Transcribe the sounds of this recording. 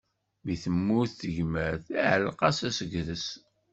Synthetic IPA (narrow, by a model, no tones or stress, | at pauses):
miθəmːuθθəʝmæθæʕəlqɑsæsəɡðəs